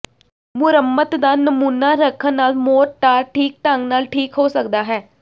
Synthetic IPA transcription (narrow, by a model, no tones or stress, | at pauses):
mʊɾəmːət̪d̪aːnəmuːnːaːɾəkʰənːaːlmoːɾʈaːɾʈʰiːk̚ʈəŋnaːlʈʰiːkɦoːsək̚d̪aːɦɛː